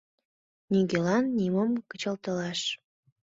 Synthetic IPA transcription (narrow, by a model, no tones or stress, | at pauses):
niɡelɑnːiməmkət͡ɕəlt̪əlɑʃ